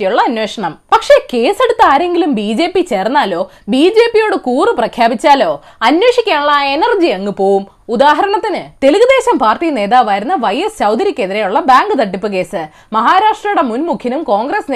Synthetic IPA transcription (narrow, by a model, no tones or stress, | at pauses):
ijuɭːɐɐnwe̞ːʂɐɳɐmpɐkʂe̞ke̞ːse̞ɽut̪ːaːɾe̞ŋɡilumbiːd͡ʑe̞ːpːit͡ɕe̞ːrnːaːlo̞ː | biːd͡ʑe̞ːpːijo̞ːɽɨkuːrɨprɐkʰjaːbit͡ɕːaːlo̞ː | ɐnwe̞ːʂikʲːaːɳuɭːɐenɐrd͡ʑiɐŋːɨpo̞ːwum | ud̪aːɦɐɾɐɳɐt̪ːinɨt̪e̞luɣɐd̪e̞ːɕɐmpaːrʈijne̞ːðaːʋʋɐjɾunːɐʋɐjesɕɐwd̪ɐɾikʲːeðiɾejuɭːɐbaːŋɡɨt̪ɐʈːipːɨk̬e̞ːsɨ | mɐɦaːɾaːʂʈrɐjuɽe̞munmukʰjɐnumko̞ːŋɡresne